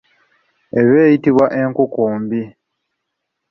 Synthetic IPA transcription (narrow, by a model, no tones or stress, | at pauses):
e̞βeːjitiβwaʔe̞ŋkukuːmbi